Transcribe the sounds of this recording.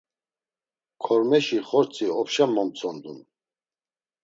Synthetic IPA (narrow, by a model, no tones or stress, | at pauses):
kʰɔɾmɛʃiχɔɾt͡sʰiɔpʃamːɔmt͡sʰɔnd̪un